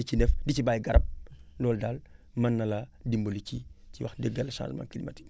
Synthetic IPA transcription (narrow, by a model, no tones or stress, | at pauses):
icinɛfdicibaːjɡɐɾɐp̚lɔːldaːlmɐnːɐlɐdimboliciciwɐ̰xdɛɡːɐlɐʃã̰ːnʒmã̰ːkilimɐ̰ti̥